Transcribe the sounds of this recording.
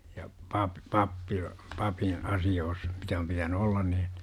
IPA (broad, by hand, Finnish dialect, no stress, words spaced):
jɑ pɑp pɑpːil pɑpĩː ɑsioːs mitæ om pitæny olːɑn niːn̥